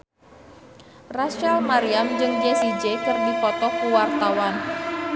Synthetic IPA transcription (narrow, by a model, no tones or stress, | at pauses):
raʃalmaɾiamd͡ʒɨŋd͡ʒesid͡ʒekɨrdipɔt̪ɔkuwart̪awan